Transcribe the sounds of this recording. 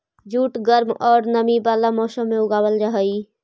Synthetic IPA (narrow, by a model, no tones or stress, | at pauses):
d͡ʒuːʈɡəɾmɔːɾnəmibaːlamɔːsəmːẽʊɡaːwəlɾəɦəi